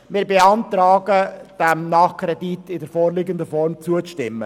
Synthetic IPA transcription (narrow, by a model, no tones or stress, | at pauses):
mɪɾbeɑntɾɑːɡəd̥ɛmnɑːχkʰɾɛditɪdɛɾfoːɾlɪɡəndəfɔɾmt͡suəʃtɪmːə̰